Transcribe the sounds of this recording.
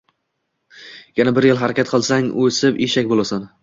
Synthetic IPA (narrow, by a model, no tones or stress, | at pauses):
janabɪɾjɪlˠɦaɾakʲat̪qʰɨlˠsaŋɵsɪpeʃakʲbolˠasan